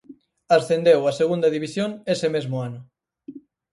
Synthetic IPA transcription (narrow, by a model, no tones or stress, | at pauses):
asθend̪ewaseɣund̪ɐðiβisjoŋesemezmʊanʊ